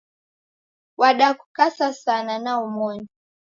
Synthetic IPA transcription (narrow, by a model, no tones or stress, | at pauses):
waɗakukasasananaumɔɲɔ